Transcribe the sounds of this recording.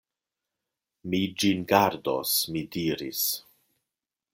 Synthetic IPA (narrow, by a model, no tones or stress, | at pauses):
mid͡ʒinɡaɾdo̰smidiɾḭs